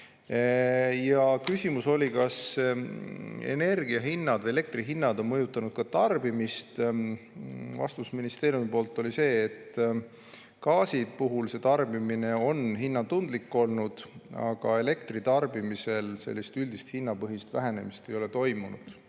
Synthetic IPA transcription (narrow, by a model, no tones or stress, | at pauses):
jɑkysʲimuso̞lʲikɑs | e̞̰ne̞rɡ̥iɑɦinːɑd̪vɤjee̞k̚t̪riɦinːɑd̪o̞nmɤjut̪ːˑɑnud̪̥̚kɑt̪ɑrb̥imist̪ | vɑ̰st̪usminist̪eːɾjumipo̞ːlt̪ːˑo̞lise̞ːt̪ː | kɑːsipuɦulse̞t̪ɑrbimine̞o̞nɦinːɑt̪und̪likːo̞lnud̪̥ɑ̰ɡ̥ɑe̞le̞kt̪rit̪ɑrbimise̞lse̞̰lːist̪yld̪ist̪hinːɑpɤɦist̪væɦe̞ne̞̰mist̪e̞jo̞le̞t̪o̞jmunṵd̪̥